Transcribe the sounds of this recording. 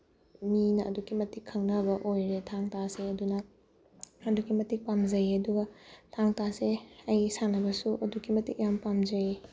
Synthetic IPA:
minɐʔɐ̰dukimɐtikʰːɐŋnɐbɐʔojɾetʰaŋtaseɐdunɐ | ɐdukimɐtik̚pamd͡ʒɐjɐduɡɐtʰaŋtaseɐjsanɐbɐsuʔɐdukimɐtik̚jampamzɐj

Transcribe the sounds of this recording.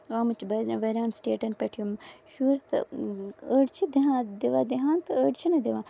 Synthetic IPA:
ɣaːmɐt͡ʃbɐʋɐɾaːnsʈeːʈɐnpɐʈʰijumʃuːɾt̪ɨ̰əːɖt͡ʃʰid̪iɦãːd̪iʋaːd̪iɦãːnt̪ɨəːɖt͡ʃʰinɐd̪iʋaː

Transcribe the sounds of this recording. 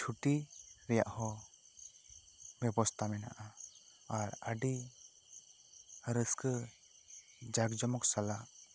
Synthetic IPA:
t͡ʃʰuʈiɾɛja̰ʔhɔ | bɛbɔst̪ʰamɛna̰ʔaaɾəɖi | əɾəskə | d͡ʒaɡd͡ʒɔmɔksalaʔ

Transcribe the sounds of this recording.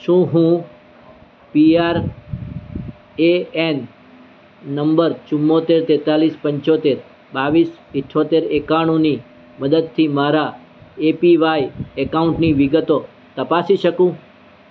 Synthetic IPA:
ʃũɦũ | piaɾ | een | nəmbəɾt͡ʃʊmːot̪eɾt̪ɛt̪alispəɲt͡ʃot̪eɾ | baʋis | iʈʰːot̪eɾekaɽ̃ũni | məd̪əd̪̚t̪ʰimaɾa | epiʋajekauɳʈniʋiɡət̪o | t̪əpasiʃəkũ

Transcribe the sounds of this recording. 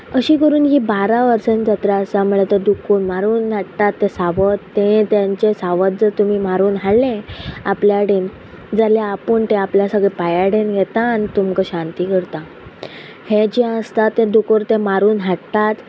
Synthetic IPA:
əɕiːkəɾuːnɦiːbaɾaʋəɾsənd͡zat̪ɾaəsam̤uɭet̪əd̪ukonmaɾuːnɦaɽt̪at̪ːesaʋət̪ːẽt̪jaɲt͡ɕesaʋət̪̚d͡zəɾt̪umiːmaɾuːnɦaɽlẽapljaɽen | d͡zaljaːpəɳt̪ẽapljasəɡɭepajaɽenɡʱɛt̪anit̪umkəɕant̪iːkəɾt̪a | hed͡ʑjãəst̪at̪ːẽd̪ukoɾt̪ẽmaɾuːnɦaɽt̪at̪

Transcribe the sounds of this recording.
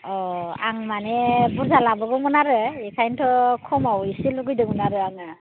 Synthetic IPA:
ɔaŋmanɛbuzalabɔɡɔmɔnaɾɯikʰajntʰɔkʰɔmawisiluɡujdɯmunaɾɯaŋa

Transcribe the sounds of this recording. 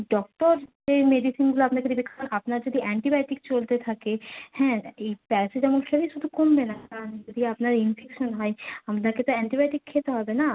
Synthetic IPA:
ɖɔk̚ʈɔɾd͡ʒemeɖisinɡuloapnakod̪ibikʰaapnaɾd͡ʒod̪ʱiʔɛɳʈibajʈik̚t͡ɕolt̪et̪ʰakehɛ̃ejpɛsed͡ʑɛmonkʰeɾiʃud̪ʱukombenakand͡ʒod̪ʱiapnaɾinfʰekʃɔnɦɔeamnaket̪oɛɳʈibaʈikʰːet̪eɦɔbena

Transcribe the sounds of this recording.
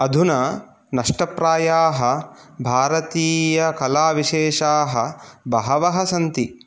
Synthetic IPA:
ɐd̪ʱunɐ | nɐʂʈɐpɾaːjaːɦɐ | bʱaːɾɐt̪iːjɐkɐlaːʋiʃeːʃaːɦɐ̆bʱɐɦɐʋɐɦɐsɐnt̪i

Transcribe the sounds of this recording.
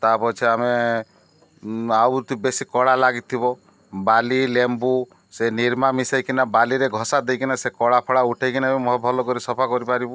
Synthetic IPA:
t̪apɔt͡ʃʰiame | awt̪ibesikɔɽalaɡit̪ʰːibɔ | balilembu | seniɾmamisajkinabaliɾeɡʱɔsad̪ejkinasekɔɽapʰɔɽauʈʰajkinamimɔɦbʱɔlɔkɔɾisɔpʰakɔɾipaɾibu

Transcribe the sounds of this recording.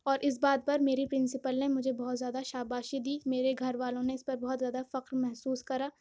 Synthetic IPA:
ɔːɾʔɪs̬baːd̪̚pɐɾmeːɾipɾɪ̃nsɪpəlnemʊd͡ʒʱebɔːt̪zjaːd̪aʃaːbaːʃid̪iːmeːɾeɡʱɐɾʋaːlõneɪspɐɾbɔɦɔt̪zjaːd̪afɐqɾmɛɦsuːskɐɾaː

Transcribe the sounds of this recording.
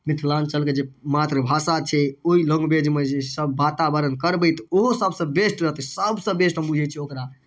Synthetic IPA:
mit̪ʰlant͡ʃəlked͡ʒemat̪ɾəbʱasat͡ʃʰɛoiləŋɡbed͡ʒmed͡ʒesəbːat̪abəɾənkəɾbəjt̪oɦosəbsə̃besʈɾəɦt̪səbsə̃besʈbud͡ʒʱɛt͡ʃʰɛokɾa

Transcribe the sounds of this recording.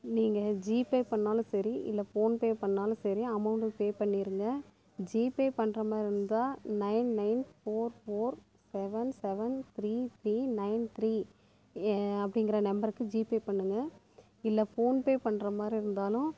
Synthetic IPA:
niːŋɡɐd͡ʒiːpeːpɐɳːaːlʊ̃sɐɾiʔɪ̰lːɐfoːnpeːpɐɳːaːlʊ̃sɐɾiɐmɐʊɳɖɯpeːpɐɳːiɾɯŋɡɐ | d͡ʒiːpeːpɐɳːɾɐmaːd̪ɾiɪɾɯnd̪aːnɐɪnnɐɪnfoːɾfoːɾ | sɛʋɐnsɛʋɐnt̪ʰɾiːt̪ʰɾiːnɐɪnt̪ʰɾiː | ɐp̬ːɐɽɪŋɡɪɾɐnɐmbɐɾɯkːɯd͡ʒiːpeːpɐɳːɯŋɡɐ | ɪlːɐfoːnpeːpɐɳːɾɐmaːd̪ɾiɪɾɯnd̪aːlʊ̃

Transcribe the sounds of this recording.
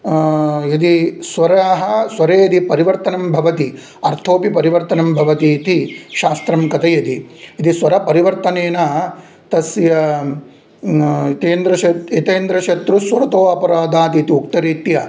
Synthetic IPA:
jɐd̪isʋɐɾɐaɦɐ̆sʋɐɾeːɐd̪ipɐɾiʋɐɾt̪ɐnɐmbʱɐʋɐt̪i | ɐɾt̪ʰoːpipɐɾiʋɐɾt̪ɐnɐmbʱɐʋɐt̪it̪iʃaːst̪ɾɐmkɐt̪ɐjɐd̪iɐd̪isʋɐɾɐpɐɾiʋɐɾt̪ɐneːna | t̪ɐsjɐ | t̪eːnd̪ɾɐʃɐtit̪eːnd̪ɾɐʃɐt̪ɾusʋɐɾɐt̪oːɐpɐɾaːd̪aːt̪iːt̪iuk̚t̪ɐɾiːt̪jɐ

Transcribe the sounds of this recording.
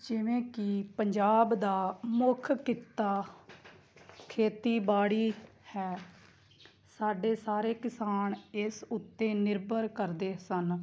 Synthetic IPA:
d͡ʒɪʋẽːkɪpəɲd͡ʒaːbd̪aːmʊkʰkɪt̪aː | kʰeːt̪iːbaːɽiːhɛː | saːɖeːsaːɾeːkɪsaːɳɪsʊt̪ːeːnɪɾbəɾkəɾd̪eːsən

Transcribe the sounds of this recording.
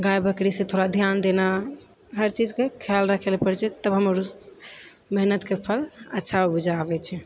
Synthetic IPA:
ɡajbəkɽisẽt̪ʰoɾad̪ʱjand̪ena | ɦəɾt͡ʃid͡ʒkekʰjalɾəkʰelpəɽt͡ʃɛt̪əbɦəməɾu | mɛɦnət̪kepʰələtːʃʰaobud͡ʒʱaːbɛt͡ʃʰɛ

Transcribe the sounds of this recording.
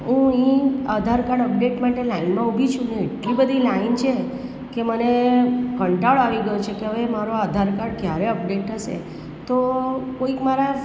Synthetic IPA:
ɦũĩəd̪ʱaɾkaɽəp̚ɖeʈmaʈelainmãubʱit͡ʃʰũneeʈlibəd̪ʱilaint͡ʃʰe | kemənekəɳʈaɭaʋiɡəjut͡ʃʰekeɦəʋemaɾoad̪ʱaɾkaɽkjaɾeəp̚ɖeʈʰəʃḛ | t̪okoikmaɾa

